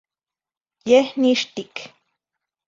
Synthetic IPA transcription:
jehniʃt̪ik

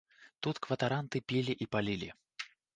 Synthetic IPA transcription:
t̪ut̪kvɐt̪aɾant̪ɨpʲilʲiʔipalʲilʲi

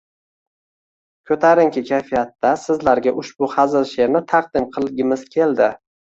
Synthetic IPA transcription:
kʲʰɵt̪ʰaɾɪŋkʲʰɪkʲʰajfijat̪ːasɪzlaɾɡʲaʔʊʃbʊhazɪlʃe̞ɾnɪt̪ʰɑqd̪ɪmqʰɨlˠɡʲɪmɪz̥kʲʰe̞ld̪ɪ

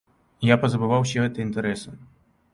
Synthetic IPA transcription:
japɐzɐbɨvaws̬ʲɛɣɛt̪ɐint̪ɛɾɛsɐ

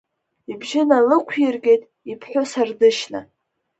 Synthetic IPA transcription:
ibʒɪnalɨkʷʰjɪrɡʲe̞jtʼ | ipʰħʷᶣʊsardɨʃna̰

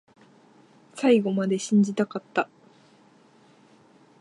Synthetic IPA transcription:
saiɡo̞mad̪e̞ɕĩɲ̟d͡ʑit̪akat̪ːa

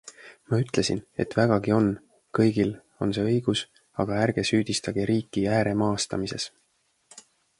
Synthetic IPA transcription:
mɑyt̪ˑle̞sine̞̰t̪væɡ̥ɑɡio̞n | kɤjɡ̥il | o̞nse̞ːɤjɡ̥us | ɑɡ̥ɑærɡ̥e̞syːd̪̥ist̪ɑɡ̥iɾiːkːˑiæːɾe̞mɑːst̪ɑmise̞̰s

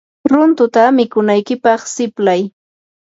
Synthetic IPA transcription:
ɾʊnt̪ʊt̪amɪkʊnajkɪpɑχsɪplaj

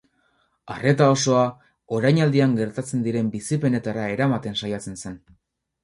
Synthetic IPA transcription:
a̰re̞t̪ao̞so̞a | o̞ɾajɲald̪iaŋɡe̞ɾt̪at͡se̞nd̪iɾe̞mbisipe̞ne̞t̪aɾae̞ɾamat̪e̞nsajat͡se̞nse̞n

